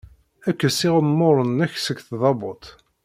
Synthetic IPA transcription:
ækːæsɪʁəmmːoɾˤənæçsəɡθðˤɑbʊt̪ˤ

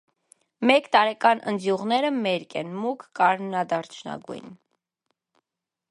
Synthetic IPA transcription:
mɛkt̪ɑɾɛkɑnʔə̰nd͡zjuʁnɛɾəmɛɾkɛnmukʰːɑɾmnɑd̪ɑɾt͡ʃʰnɑ̰ɡṵjn

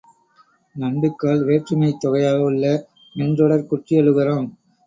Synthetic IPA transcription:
nɐɳɖɯkːaːɭʋeːʈrɯmɐɪt̪ːɔɣɐjaːɣɐɭːɐ | nɛndrɔɽɐɾkʊʈrɪɐɻɯɣɪroːm

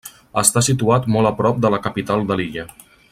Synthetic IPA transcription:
əst̪asit̪uat̪mɔləpɾɔp̚d̪ələkəpit̪alˠd̪əliʎə

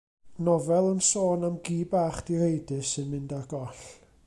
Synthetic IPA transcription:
nɔvɛlˠənsoːnamɡiːbaːχd̥iɾejdɨsɨnmɪndarɡɔɬ

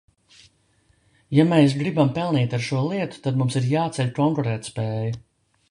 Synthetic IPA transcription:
jameːsɡɾibampɛlˠniːt̪aɾʃuɔlˠiɛt̪u̥t̪ad̪mumsiɾjaːt̪sɛʎʲkɔŋkɔɾɛːt̪speːju

